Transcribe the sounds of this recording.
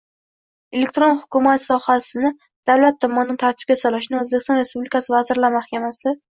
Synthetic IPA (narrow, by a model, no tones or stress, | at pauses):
e̞le̞k̚ʲt̪ɾonhʊkʲʊmat̪sɒhasɪnɪ | d̪̥awlat̪ʰːɒmːɒnɪnɪt̪ʰaɾt̪ʰɪb̚ɡʲasɒlaʃɪnɪɵzbekʲɪst̪ɒnɾe̞spublɪkʰasɪvazɪɾlaɾɪmahkʲamasɪ